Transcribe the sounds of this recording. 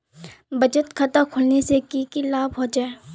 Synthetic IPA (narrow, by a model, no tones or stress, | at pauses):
bɐd͡ʒət̪kʰɐt̪akʰʊlnesekikilaːbɦod͡ʒaːe